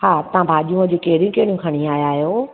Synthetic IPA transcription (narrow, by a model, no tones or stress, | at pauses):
haːt̪ɐɦãbʱaːʄiũəd͡ʑokeɦɪɽijũkɐɦɽijũkʰɐɽ̃ĩaːjaːɦjoː